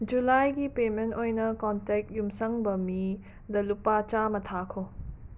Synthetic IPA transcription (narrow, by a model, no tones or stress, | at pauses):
d͡ʒulajɡipementojnɐkɔntek̚tjumsɐŋbɐmi | d̪ɐlupat͡ʃamɐtʰakʰo